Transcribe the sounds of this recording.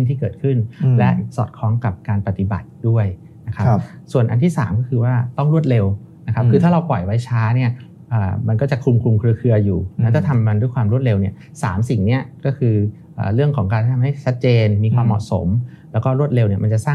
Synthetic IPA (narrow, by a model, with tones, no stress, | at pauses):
nt̪ʰiː˥˩kɤː˨˩t̪̚kʰɯ˥˩nlɛ˦˥sɔ̰ː˨˩t̪̚kʰɾɔː˦˥ŋka˨˩p̚kaː˧npa˧˩t̪i˨˩ba̰˨˩t̪̚du˥˩əj | na˦˥kʰa˦˥su˨˩ənʔa̰˧nt̪ʰiː˥˩saː˩˦mkɔː˥˩kʰɯː˧waː˥˩t̪ɔ˥˩ŋɾu˥˩ət̪̚le˧w | na˦˥kʰa˦˥ɯː˧t̪ʰaː˥˩ɾa˧wpɔ˨˩jwa˦˥jt͡ɕʰaː˦˥ni˥˩ɐ | ʔəː˨˩ma˧nkɔː˥˩t͡ɕa˨˩kʰu˧mkʰu˧mkʰɾɯ˧əkʰɯ˧ɐjuː˨˩n˦˥t̪aː˥˩t̪ʰa˧ma˧ndu˥˩jkʰwaː˧mɾu˥˩ət̪̚le˧wni˥˩ɐ | saː˩˦msi˨˩ŋni˦˥ɐkɔː˥˩kʰɯː˧ | ʔə̰ː˨˩ɾɯ˥˩əŋkʰɔː˩˦ŋk̬aː˧nʰ˥˩a˧mha˥˩jt͡ɕʰa˦˥t̪̚t͡ɕeː˧nmiː˧kʰwaː˧mːɔ̰˨˩ʔso̰˩˦mlɛː˦˥wkɔː˥˩ɾu˥˩ət̪̚le˧wni˥˩ma˧t͡ɕa˨˩saː˥˩